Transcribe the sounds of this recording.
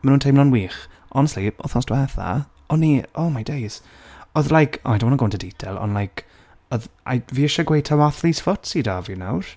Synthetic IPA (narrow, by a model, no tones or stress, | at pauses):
manuːntʰemlˠɔnwiːχ | ʔɔnɛstliʔɔ̰θɔsd̥wɛθa̰ | ɔnioːmajdejz̥ | ɔðlˠajkʰɔmadɪmɔnnŋɡɔwntʰədidʰɛlˠɔ̰nlˠajkʰ | ɔðʔa̰jviːɪʃaɡwejtʰawaθlisfɔtsidavinawr̥